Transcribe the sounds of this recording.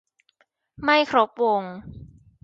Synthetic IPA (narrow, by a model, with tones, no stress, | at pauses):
ma˥˩jkʰɾo˦˥p̚wo˧ŋ